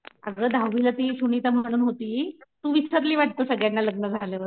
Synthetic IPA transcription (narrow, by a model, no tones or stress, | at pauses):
a̰ɡəd̪ʱawʋilat̪iːɕuɳ̃it̪əm̤əɽ̃uːnɦot̪iːt̪uːʋit͡sʰat̪̬liːʋaʈ̚t̪əːsəɡɭjanːaləɡ̚nəd͡zʱaleʋəɾ